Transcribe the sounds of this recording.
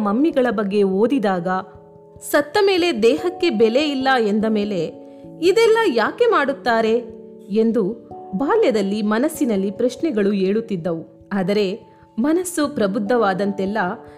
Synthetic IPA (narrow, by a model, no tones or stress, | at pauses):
mɐmːiɡɐɭɐbɐɡːe̞o̞ːd̪id̪aːɡɐ | sɐt̪ːɐme̞ːle̞d̪ɛːɦɐkːe̞bɛle̞ilːɐend̪ɐme̞ːle̞ | id̪ɛlːɐjaːke̞maːɽut̪ːaːɾe̞ | end̪ubaːljɐd̪ɐlːimɐnɐsːinɐlːipɾɐʃɳɛɡɐɭueːɭut̪ːid̪ːɐʋu | aːd̪ɐɾe̞ | mɐnɐsːupɾɐbud̪ʱːɐʋaːd̪ɐnt̪ɛlːɐ